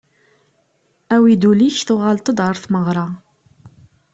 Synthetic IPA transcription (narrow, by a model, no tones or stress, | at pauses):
æwid̪uliçθʊʁalt̪ˤəd̪əɾˤθməʁɾˤɑ